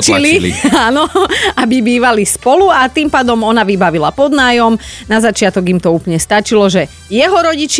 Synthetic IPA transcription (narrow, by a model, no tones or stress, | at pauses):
t͡ʃililḭaːnɔabibiːʋalispɔluat̪iːmpaːd̪ɔmɔnaʋibaʋilapɔd̪naːjɔmnazat͡ʃɪat̪ɔɡimt̪ɔuːplɲɛst̪at͡ʃilɔʒɛ | jɛɦɔɾɔɟit͡ʃ